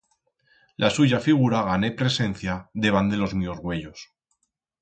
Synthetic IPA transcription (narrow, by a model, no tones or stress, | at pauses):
lʔasuʝafiɣ̞uɾaɣ̞ane̞pɾe̞se̞n̟θjaðe̞βand̪e̞lo̞zmiozɣwe̞ʎos